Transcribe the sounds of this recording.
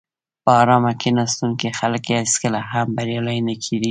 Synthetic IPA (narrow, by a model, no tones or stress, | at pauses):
pəɑɾɑmakenɑst̪unkexaləkaskəlaɦambaɾjɑlajnəkʰid̪i